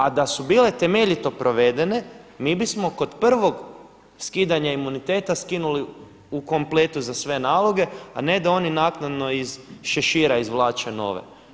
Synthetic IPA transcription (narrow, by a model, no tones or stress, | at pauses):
ad̪asubiːle̞t̪e̞me̞ʎit̪o̞pɾʔo̞ʋed̪e̞ne̞miːbismo̞ko̞d̪pr̩ʋo̞ɡ | skiːd̪aɲaimunit̪e̞ːt̪askinuli | uko̞mplˠet̪uzasʋe̞naːlˠo̞ɡe̞a̰ne̞d̪ao̞ninaːknad̪no̞izʃeʃiːɾaizʋlˠaːt͡ʃeno̞̰ːʋḛ